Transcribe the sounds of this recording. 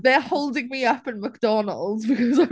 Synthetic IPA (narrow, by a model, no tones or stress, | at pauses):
ðəhoʊlˠdɪ̃ŋmiʌpɨ̃nmək̚d̥ɔnə̰l̩ˠdzbɨkʰʌzaɪ